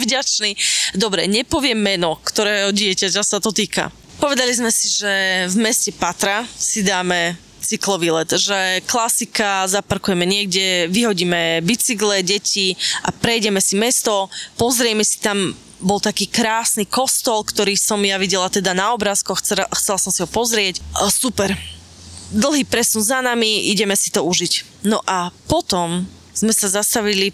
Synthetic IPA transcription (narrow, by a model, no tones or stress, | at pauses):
vɟat͡ʃnid̪ɔbɾɛɲɛpɔʋɪɛmːɛnɔkt̪ɔɾɛːɦɔɟɪɛcacasat̪ɔt̪iːka̰ | pɔʋɛd̪alizmɛsiʒɛvmɛscɛpat̪ɾasid̪aːmɛ | t͡siklɔʋilɛt̪ʒɛklasikazapaɾkujɛmɛɲɪɛɡɟɛʋiɦɔɟiːmɛbit͡siɡlɛɟɛcʰiʔa̰pɾɛjɟɛmɛsimɛst̪ɔpɔzɾɛmɛsi̥t̪am | bɔlt̪akiːkɾaːsniːkɔst̪ɔlkt̪ɔɾiːsɔmjaʋiɟɛlat̪ɛd̪anaɔbɾaːskɔxɛxt͡sɛlasɔmsiɦɔpɔzɾɪɛcsupɛɾ | d̪l̩ˠɦiːpɾɛsunzanamiiɟɛmɛsi̥t̪ɔuʒic | nɔʔapɔt̪ɔm | z̥mɛsazast̪aʋili